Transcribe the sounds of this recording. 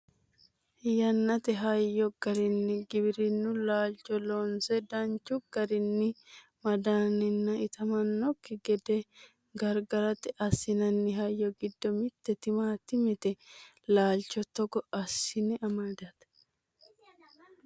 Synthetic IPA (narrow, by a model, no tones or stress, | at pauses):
jɐnːɐt̪ɛɦɐjːɔɡ̥ɐɾɪnːɪɡɪbɪɾɪnːʊlaːlt͡ʃɔloːnsɛd̪ɐnt͡ʃːʊɡ̥ɐɾɪnːɪ | mɐd̪aːnɪnːɐɪt̪ɐmɐnːɔkːɪɡɛd̪ɛ | ɡɐɾɡɐɾɐt̪ɛʔɐsɪnɐnːɪɦɐjːɔɡɪd̪ːɔmɪt̪ːɛt̪ɪmaːt̪ːɪmɛt̪ɛ | laːlt͡ʃɔt̪ɔɡɔɐsːɪnɛɐmad̪ɐt̪